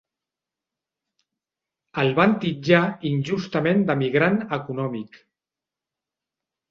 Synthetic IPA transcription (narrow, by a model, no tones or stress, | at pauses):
əlˠβant̪id͡ʒainʲʒust̪əmend̪əmiɣɾanəkunɔmik